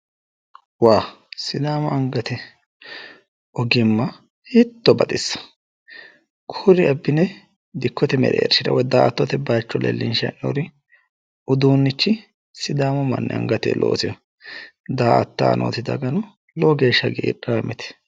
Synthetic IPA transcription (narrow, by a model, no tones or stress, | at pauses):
waːsɪd̪aːmɔɐŋɡɐt̪ɛ | ɔɡɪmːɐ | hɪt̪ːɔbɐt̪ʼɪsːɐ̥ | kʰʊɾɪɐbːɪnɛ | d̪ɪkʰːɔt̪ɛmɛ̰ɾɛ̰ɛ̰ɾʃɪɾɐ̰wɔd̪aːɐt̪ːɔt̪ɛbaːt͡ʃːɔlɛ̰lːɪ̰nʃɐ̰no̰ɾɪ | ʊd̪uːnːɪt͡ʃːɪ | sɪd̪aːmɔmɐ̰nːɛ̰ɐ̰ŋɡɐt̪ɛ̰lʔo̰ːsɛ | d̪aːʔɐ̰t̪ːa̰ːnʔo̰ːt̪ɪd̪ɐ̰ɡɐnɔ | lɔɡe̞ːʃːɐɡiʔːraːmʔɛt̪ɛ̥